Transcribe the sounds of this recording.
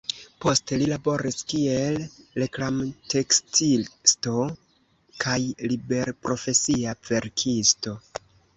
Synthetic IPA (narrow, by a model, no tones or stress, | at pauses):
po̞ste̞lilabo̞ɾiskie̞lːeklamte̞kstilsto̞ | kʰajlibe̞ɾpɾʔo̞fe̞siave̞ɾkʰisto̞